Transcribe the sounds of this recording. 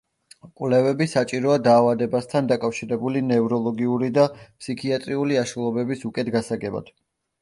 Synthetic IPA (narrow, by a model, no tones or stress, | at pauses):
kʼwlɛvɛbisat͡ʃʼiɾɔad̪aːvad̪ɛbast̪ʰand̪akʼafʃiɾɛbulinɛvɾɔlˠɔɡiuɾid̪apʰsikʰiat̪ʼɾiuliaʃulˠɔbɛbisukʼɛt̪ɡasaɡɛba̰d̪̥